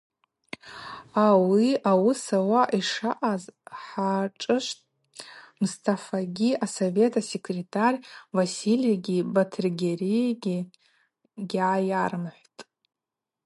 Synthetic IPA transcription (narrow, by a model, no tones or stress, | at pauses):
awiawʊsawaʔiʂaʔazħaʈ͡ʂʼɨʃʷtʼ | mustʰafaɡʲiasove̞tʰase̞kʰretʰarʲvasiliaɡʲibatʰrɡʲerijaɡʲi | ɡʲʕajarmħʷtʼ